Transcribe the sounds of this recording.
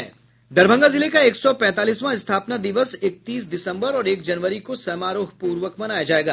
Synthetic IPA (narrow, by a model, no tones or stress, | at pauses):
ɛ | d̪ɐɾbʱə̃ŋɡazɪlekaeːksɔpɛ̃ːt̪aːliːsmãɪst̪ʰaːpnad̪iʋəsɪk̚t̪iːsd̪ɪsə̃mbəɾɔːɾeːkd͡ʒɐnʋəɾikosɛmaːɾoːɦpuːɾʋəkmɐnaːjad͡ʒaːeːɡa̰ː